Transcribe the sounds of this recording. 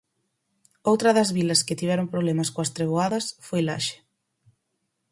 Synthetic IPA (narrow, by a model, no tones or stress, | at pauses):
owt̪ɾɐðɐzβilɐskɪt̪iβ̞ɛɾompɾoβ̞lɛmɐskoɐst̪ɾeβ̞oaðɐsfojla̰ʃe̥